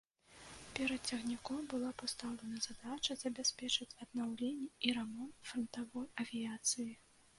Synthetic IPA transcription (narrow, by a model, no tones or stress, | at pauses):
pʲɛɾɐt̪t͡sʲɐɣnʲikɔmbɨlˠapast̪awlʲɛnɐzad̪at͡ʃɐzɐbʲɛsʲpʲɛt͡ʂɨt͡sʲɐd̪nawlʲenʲːɛiɾamɔnt̪fɾɐnt̪avɔjɐvʲijat̪sɨji